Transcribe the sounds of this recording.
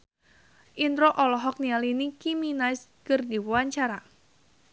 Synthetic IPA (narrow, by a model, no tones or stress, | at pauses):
ʔint̪ɾoʔɔlɔɦɔk̚nialinikiminaɪskərd̪iwwaɲt͡ʃaɾa